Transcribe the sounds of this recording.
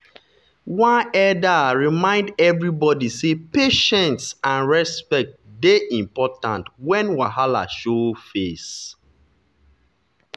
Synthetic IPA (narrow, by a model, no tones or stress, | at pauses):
wãnɛdaɹimãɪ̃ndɛvɹibɔdisepeʃɛ̃ntsãnɹɛspɛk̚t̚deʔĩmpɔtãntwɛ̃nwaɦala̰ʃofes